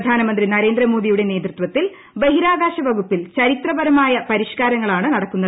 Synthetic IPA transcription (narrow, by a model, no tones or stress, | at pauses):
d̪ʱaːnɐmɐnd̪rinɐɾe̞ːnd̪ɾɐmo̞ːd̪ijuɽe̞ne̞ːd̪rɨt̪ʋɐt̪ːil | beɦiɾaːɡaːɕɐʋɐɡupːilt͡ɕɐɾit̪rɐbɐɾɐmaːjɐpɐɾiʂkaːɾɐŋːɐɭaːɳɨnɐɽɐkːunːɐ